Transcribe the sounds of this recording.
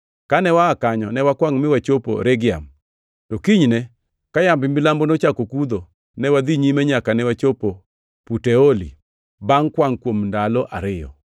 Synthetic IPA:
kanɛwaːkaɲɔnɛwakwaŋmɪwat͡ʃopo̰ɾɛɡɪa̰m | tɔkiɲnɛ | kajambɪmbɪlambonot͡ʃakokud̪o | nɛwad̪iɲimɛɲakanɛwat͡ʃopo | putɛolḭ | baŋkwaŋkwomndalɔʔa̰ɾɪjɔ̰

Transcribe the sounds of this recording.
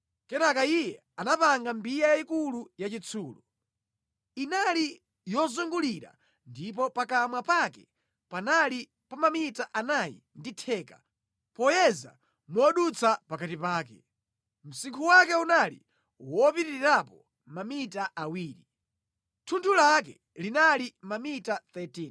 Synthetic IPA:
kɛnakaijɛ | anapaŋɡambijajaikulujat͡ʃit͡sʰuːlu | inali | jɔzuŋɡuliɾa̰ | ndipɔpakamwapakɛ̰ | panali | pamamitaʔanajḭnditʰɛːkḁ | pɔjɛza̰ | mɔɗut͡sʰapakatipaːkɛ̰ | m̩siŋkʰuwakɛunalḭ | wɔpitiiɾapɔ | mamitaʔawiːɾi | tʰuntʰulakɛ | linalimamitat̪ɛtin

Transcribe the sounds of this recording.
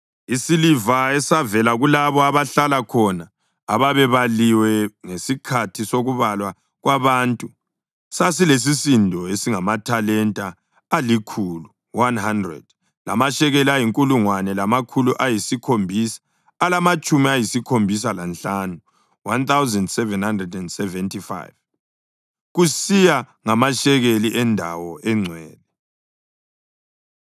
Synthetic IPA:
isilivaɛsavɛlaɣulaβɔaβaɬalakʰɔna | aβaβɛβaliwɛŋesikʰatʰisoɣuβalwa | ɣwaβaːntʼu | sas̬iles̬isindʱɔesiŋamatʰalɛntʼaː | likʰulu | wanhandrɛ̰d̥̚ | la̰maʃɛɣeliajiŋkʼuluŋwanɛlamakʰuluʔajisikʰombʱisḁː | lamat͡ʃʼumiajisikʰombʱis̬alanɬanu | want̪awzɛndsɛvɛnhandrɛdɛndsɛvɛntʰifa̰jv | ɣusija | ŋamaʃɛɣeliʔɛndʱawɔʔɛŋ͡ǀʱɛːlɛ

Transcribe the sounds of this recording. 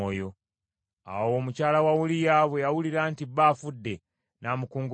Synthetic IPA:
ojo̞ | a̰wo̞ːmucaːlawawulijaːβwe̞jawuliɾaːntiβafudːe̞ | naːmukuːŋɡ

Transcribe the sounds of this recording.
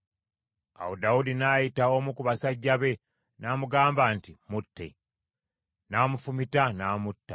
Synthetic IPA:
a̰wodaudinajitaomukuβasaɟːaβe̞ | naːmuɡaːmbaːntimutːe̞̰ | naːmufumitanaːmutːa

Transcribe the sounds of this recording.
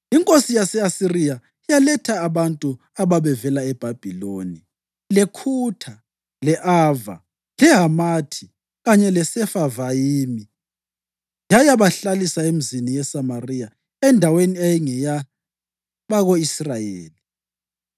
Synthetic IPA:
iŋkʼosijasɛasirija | ijalɛtʰaːβantʼu | aβaβɛvɛlaɛb̥ʱab̥ʱiloːni | lɛkʰutʰa | lɛʔaːva̰ | lɛɦamatʰi | ɣaɲɛlɛsɛfavajimi | jajaβaɬalisaem̩zinijɛsamariːja | ɛndʱaweniajɛŋɛja | βaɣoisrajḛːli

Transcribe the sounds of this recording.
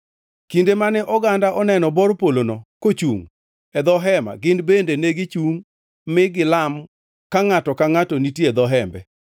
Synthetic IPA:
kindemanɛʔɔɡandaʔɔnɛnɔbɔɾpolonɔkot͡ʃṵŋ | ɛd̪ɔɦɛma̰ɡɪnbendeneɡɪt͡ʃuŋ | mɪɡɪlam | kaŋatɔkaŋatɔnitjed̪ɔɦɛmbɛ

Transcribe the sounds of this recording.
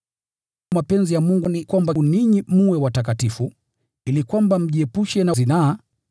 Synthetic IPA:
mapɛnzijamuŋɡunikwambaniɲim̩wɛwatakatifu | ilikwambam̩ʄiɛpuʃɛnazinaː

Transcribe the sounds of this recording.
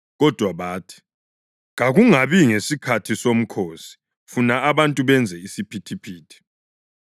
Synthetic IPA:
ɣɔd̥ʱwaβaːtʰi̥ | ŋaɣuŋaβiŋesikʰatʰisom̩kʰoːsi̥ | funaaβantʼuβɛnd͡zʱɛisipʰitʰipʰiːtʰi̥

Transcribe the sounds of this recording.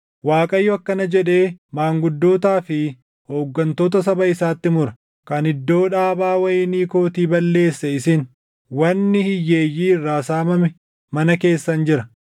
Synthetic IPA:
waːkʼɐjːɔɐkːɐnɐd͡ʒɛᶑe̞ːmaːŋɡʊd̪ːo̞ːt̪aːfɪ | ho̞ːɡːɐnt̪o̞ːt̪ɐs̬ɐbɐɪsaːt̪ːɪmʊɾɐ | kɐnɪd̪ːo̞ːᶑaːbaːwɐjɪːniːko̞ːt̪iːbɐlːe̞ːsːɛɪsɪn | wɐnːɪhɪjːeːjːiːɪrːaːsaːmɐmɪ | mɐnɐke̞ːsːɐnd͡ʒɪɾɐ

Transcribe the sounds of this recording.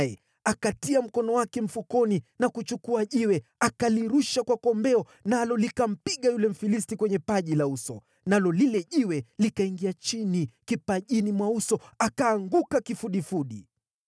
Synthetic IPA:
jɛ | akatiam̩kɔnɔwakɛm̩fukɔninakut͡ʃukuaʄiwɛakaliɾuʃakwakɔmbɛɔ | nalɔlikam̩piɠajulɛm̩filis̬tikwɛɲɛpaʄilausɔ | nalɔlilɛʄiwɛlikaiŋɡiat͡ʃinikipaʄinimwausɔakaːŋɡukakifuɗifuɗi

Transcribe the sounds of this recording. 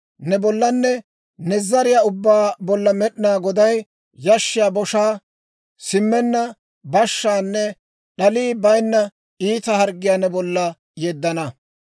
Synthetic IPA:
nɛbɔlːɐnːɛ | nɛzɐɾɪjaːʊbːaːbɔlːɐmɛɗɪnaːɡɔd̪ɐj | jɐʃːɪjaːbɔʃaː | sɪmːɛnːɐ | bɐʃːaːnːɛ | ɗɐliːbɐjnːɐ | iːt̪ɐhɐɾɡːɪjaːnɛbɔlːɐ | jeːd̪ːɐnɐ

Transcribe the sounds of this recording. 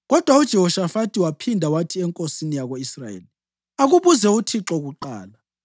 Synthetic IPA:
ɣɔd̥ʱwaud̥ʒ̥ʱɛhɔʃafatʼiwapʰindʱawatʰiɛŋkʼosinijaɣoisrajḛːli | aɣuβuzɛutʰiǁɔɣuǃa̰ːla

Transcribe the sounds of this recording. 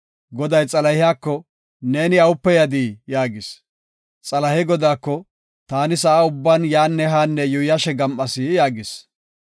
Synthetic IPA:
ɡɔd̪ɐjt͡sʼɐlɐjɪjaːkːɔ | ne̞ːnɪɐwʊpːɛjɐd̪iːjaːɡɪs | t͡sʼɐlɐhɛɡɔd̪aːkːɔ | t̪aːnɪsɐʔaʊbːaːnjaːnːɛɦaːnːɛjʊjɐʃɛɡɐmʔɐsɪjaːɡɪs

